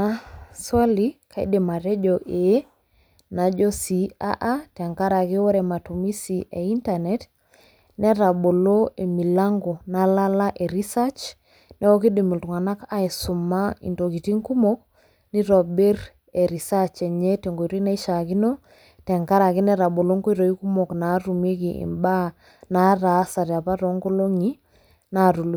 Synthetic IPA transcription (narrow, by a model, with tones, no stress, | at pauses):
a˦swa˦li˦kʰa˨ḭ˦dɪ˨ma˨tɛ˦d͡ʒo˨ʔe˨˦ | na˨d͡ʒo˦si˨a̰˦ʔa˦tɛ˨ŋka˦ɾa˨kɪ˦wɔ˦ɾɛ˨ma˨tu˨mi˦si˨ʔe˨i˦nta˨nɛ˨t | nɛ˦ɾa˨bo˨lo˦e˨mi˨la˦ŋɡo˨na˨˦la˦la˦ʔe˨ɾi˦sa˦t͡ʃ | nɛ˦o˦ki˦di˨mi˨ltu˨ŋa˨na˦ka˦i˨su˨ma˦ḭ˨nto˨ki˨ti˦ŋku˦mok̚ | ni˦ɾɔ˨be˦r | e˨ɾi˨sa˦t͡ʃe˨ɲe˦te˨ŋɡo˨iɾi˦na˦i˦ʃa˨ki˦no˦ | tɛ˨ŋka˦ɾa˨ki˦nɛ˦ɾa˨bo˨lo˦ŋko˦i˦ɾo˨i˦ku˦mo˨kna˨˦ɾu˨mi˦kiḭ˨mba˦ | na˦ɾa˨˦sa˨ɾja˨pa˦ɾo˨ŋɡo˦lo˦ŋi˦ | na˨ɾu˨lu˨